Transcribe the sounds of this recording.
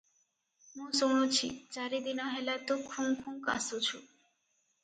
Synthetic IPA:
mũsoŋɽ̃ot͡ɕʰḭt͡ʃaɾid̪inɔɦelat̪okʰũŋkʰũŋka̰sut͡ɕʰu

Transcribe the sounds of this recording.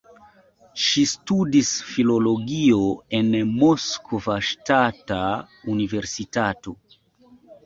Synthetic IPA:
ʃistudisfilo̞lo̞ɡioe̞nmoskʰovaʃtata | unive̞ɾsitato̞

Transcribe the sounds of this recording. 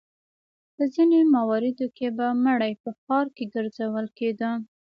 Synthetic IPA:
pəzinemawɑɾɪd̪okebaməɽajpəxɑɾkeɡəɾzawəlked̪ə

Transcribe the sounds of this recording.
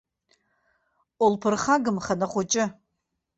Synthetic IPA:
olpʰɨrχaɡɨmχanɐχʷʊt͡ʃʼɪ

